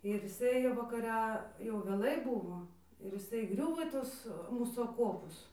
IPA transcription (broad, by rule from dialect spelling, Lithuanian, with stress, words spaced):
ɪr jɪˈsɐɪ ʋɐkɐˈrʲɛ jɛʊ ʋʲeːˈlˠɐɪ ˈbʊʋoː ɪr jɪˈsɐɪ iːˈɡrʲʊʋoː iː ˈtʊs ˈmuːsuː ɐˈkoːpʊs